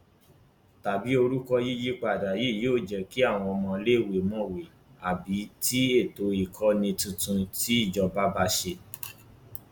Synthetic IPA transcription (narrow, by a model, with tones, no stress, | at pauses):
ta˨bi˨˦o˧ɾu˦kɔ˦ji˦d͡ʒi˦k͡pa˨da˨ji˦˨joː˦˨d͡ʒɛ˨ki˨˦a˦˨w̃ɔ̃˧ɔ˧mɔ̃˧le˦˨we˨mɔ̃˦˨we˨ | a˨bi˨˦ti˦e˦˨to˨i˨kʰɔ˦nĩ˧tũ˧tũ˧ti˦i˦˨d͡ʒɔ˧ba˦ba˧ʃe˧